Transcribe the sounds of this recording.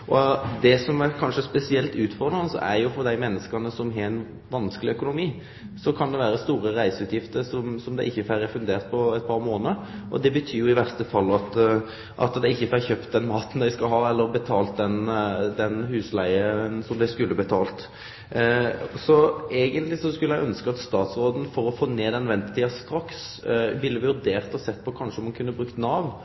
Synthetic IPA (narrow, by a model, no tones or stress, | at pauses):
ʔɔd̪ɛsɔmæɾkʰɑnʂəspɛsɪɛlt̪ʉːt̪fɔʁd̪ɾɑnəsɔ̰æɾjʊfɔɾd̪æɪmɛnːəskənəsɔmɦɑæɪn | ʋɑnskəlɪœkʊnʊmiː | sɔkʰɑnd̪ɛʋæːɾəst̪uːɾəɾæɪsəʉːt̪ʰjɪft̪əɾsɔmsɔmd̪æɪɪçːəfæɾæfʉnd̪eːɾt̪̚pʰɔɛɪt̪̚pʰɑɾmoːnəɾʔɔ̰d̪ɛbət̪ʰyːjʊɪʋæɾst̪əfɑlːɑt̪ | ʔɑ̰t̪d̪æɪɪçːəfæçøːpt̪̚d̪ɛnmɑːt̪n̩d̪æɪskɑlɦɑːɛlːəɾbət̪ʰɑːlt̪̚d̪ɛnd̪ɛnhʉːslæɪənsɔmd̪æɪskʉlːəbət̪ʰɑːlt̪ | sɔeːɡənt̪lɪsɔskʉlːəæɪʔœnskəɑt̪st̪ɑːt̪sɾoːd̪n̩fɔɾɔfoːneːd̪ɛnʋɛnt̪ət̪iːɑst̪ɾɑks | ʋɪlːəʋɪʋʉɾd̪eːʁt̪ɔsɛt̪ːpɔkʰɑnʂəɔmɑnkʰʉnːəbɾʉkt̪nɑːʋ